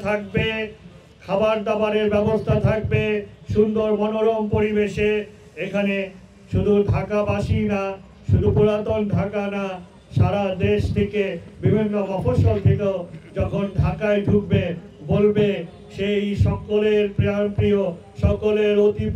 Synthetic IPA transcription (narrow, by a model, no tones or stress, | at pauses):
t̪ʰak̚be | kʰabaɾd̪abaɾeɾbɛbost̪ʰat̪ʰak̚beʃund̪oɾmɔnoɾompoɾibeʃe | ekʰane | ʃud̪ʱudʱakabaʃina | ʃud̪ʱupuɾat̪onɖʱakana | ʃaɾad̪eʃt̪ʰekebibʱinːobɔfoʃolt̪ʰekeod͡ʑɔkʰondʱakaeɖʱuk̚be | bolbe | ʃejʃɔkoleɾpɾeampɾio | ʃɔkoleɾot̪ip